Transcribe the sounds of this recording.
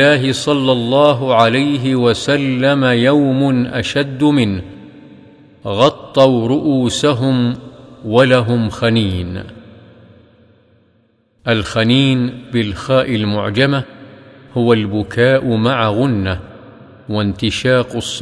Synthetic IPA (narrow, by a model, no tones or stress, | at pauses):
aːɦɪsˤɑlːɑlˤːɑːɦʊʕalajɦɪwasalːamajawmʊnʔaʃad̪ːʊmɪn | ɣɑt̪ˤːɑwɾˤʊʔuːsaɦʊmwalaɦʊmxaniːn | ʔalxaniːnbɪlxaːʔɪlmʊ̰ʕd͡ʒamahʊwalbʊkaːʔʊmaʕaɣʊnːa | want̪ɪʃɑːqʊsˤː